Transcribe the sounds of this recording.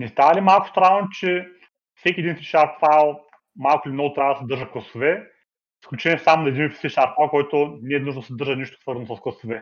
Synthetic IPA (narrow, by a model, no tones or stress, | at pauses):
nʲɛst̪avɐlimalˠkʊst̪ɾanot͡ʃɛ | fsɛkʲiɛd̪infiʃaɾt̪fajlˠ | malˠkʊlʲinɔɡʊt̪ɾʲavɐd̪ɐsɛd̪ɤɾʒəklˠɐsovɛ | isklʲut͡ʃɛnʲiɛsamonɐɛd̪infsiʃaɾt̪fajlˠkɔjt̪ʊnɛːnuʒnd̪ɐsɛd̪ɤɾʒəniʃt̪o̥svɤɾznosɐsklˠɐsovɛ